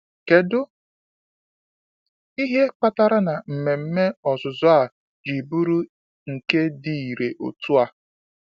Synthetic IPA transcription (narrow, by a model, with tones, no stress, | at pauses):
ke˨dʊ˦ | i˦ɦe˦k͡pa˦ta˦ɾa˦na˨m̩˨me˨m̩˦me˦ɔ˨zʊ˨zʊ˦a˨ | d͡ʒi˨bu˦ɾu˦ | ŋ̩˨ke˦di˨i˨ɾe˨ʔo̰˨tu˦a˨